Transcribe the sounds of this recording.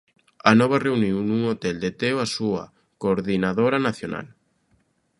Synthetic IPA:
anɔβ̞areuniwnuŋot̪eld̪et̪eoasua̰ | koɾðinaðoɾanaθjona̰l

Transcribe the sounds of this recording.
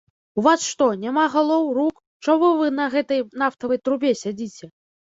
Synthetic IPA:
uvasʂt̪ɔnʲamaɣalˠɔwruk | t͡ʂamɔvɨnɐɣɛt̪ɐjnaft̪ɐvɐjt̪ɾubʲesʲad͡zʲit͡sʲɛ

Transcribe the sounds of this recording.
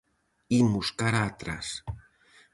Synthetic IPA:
imuskaɾat̪ɾas

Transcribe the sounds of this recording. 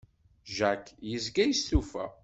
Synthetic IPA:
ʒækjəzɡæjəsθufæ̰

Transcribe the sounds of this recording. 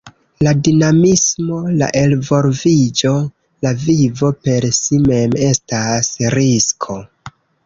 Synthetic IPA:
ladinamismo̞la̰ʔe̞lvo̞ɾvid͡ʒo̞ | lavivo̞pe̞ɾsime̞me̞stasɾiskʰo̞

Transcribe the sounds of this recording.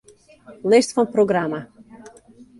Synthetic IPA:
leʃt̪fɔmpɾoɡɾama

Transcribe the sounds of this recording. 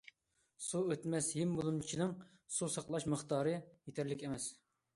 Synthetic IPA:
suøt̪mɛsɦimbulˠumt͡ʃʰinɪŋ | susɑqlˠɑʃməχt̪ɑːɾɨjet̪ʰæɾlɪkʲɛmɛs

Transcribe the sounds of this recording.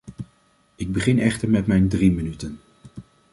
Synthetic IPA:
ɪɡ̚bəχɪnɛχtəɹmɛtmɛjndrimənytən

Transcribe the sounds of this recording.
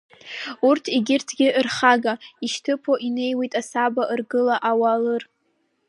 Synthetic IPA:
urtʰiɡʲɪrtʰɡʲɪʔɨrχaɡaiʃtʰɨpʰoʔine̞jwejtʼasabaʔɨrɡɨlaʔawalɨr

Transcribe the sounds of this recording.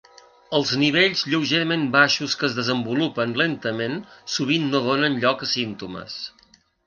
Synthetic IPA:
əlˠzniβ̞eʎzʎəwʒeɾəmembaʃuskəːzðəzəmbulupənlent̪əmensuβ̞inːoðonənʎɔkəsint̪umə̰s

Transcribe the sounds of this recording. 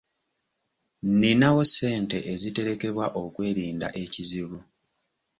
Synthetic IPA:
ninawo̞sːe̞ːnte̞ʔezite̞ɾe̞ke̞βwaʔo̞kwe̞ːɾiːnda̰ʔe̞ciziβu

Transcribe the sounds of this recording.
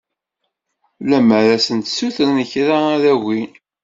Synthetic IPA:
læməɾæsənt̪suθəɾnəçɾaæðæwin

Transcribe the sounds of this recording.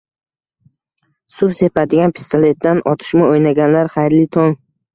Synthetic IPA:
sʊbse̞pad̪ɪɡʲanpʰɪ̥st̪ʰale̞t̪̚d̪anʔɒt̪ʰɪ̥ʃmɪojnaɡʲanlaɾχajɾlɪt̪ʰɒŋ

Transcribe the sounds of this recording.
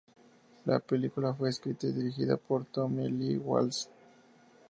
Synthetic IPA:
la̰pelikulafweeskɾit̪eðiɾixiða̰poɾt̪omiliwa̰ls

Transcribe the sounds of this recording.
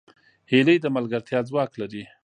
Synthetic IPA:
heləjd̪əmalɡaɾt̪ʰjɑd͡zwɑklaɾi

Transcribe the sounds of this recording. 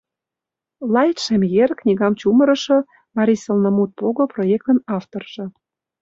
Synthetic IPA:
lɑjt̪ʃemjerknʲiɣɑmt͡ɕumə̆ɾɤ̆ʃɤ̆ | mɑɾʲisəlnəmut̪̚poɣoprojek̚t̪ə̆nɑft̪orʒ̥ɤ̆

